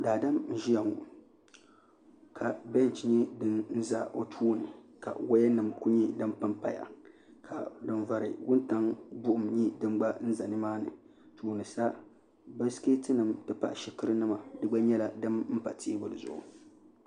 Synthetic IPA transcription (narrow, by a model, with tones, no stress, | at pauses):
daː˨da˦mn̩˦ʒi˦ja˨ŋu˨ | kʰa˨bɛ˦n˨t͡ʃɲi˦dɨ˦nn̩˦za˨o˦tʰuː˦nɨ˨ka̰˨wa˦jɛ˦nɨ˨mku˦ɲi˦dɨ˦mpa˦mpa˨ja̰˨ | kʰa˨dɨ˨nva˨ɾɨ̰˨wʊ˦nta˦ŋbʊ˦ʔʊ˦mɲi˦dɨ˦mɡ͡ba˦n̩˦za˨nɨ˦maː˦nɨ̰˨ | tʰuː˦nɨ˨sa˦ | ba˦ski˦tɨ˦nɨ˨mtɨ˦pa˨ʔʃi˦kɨ˦ɾɨ˦nɨ˦ma˨dɨ˦ɡ͡ba˦ɲɛ˦la˦dɨ˦mm̩˦pa˨ti˦bʊ˨lɨ˨zʊ̰˨ʔʊ˨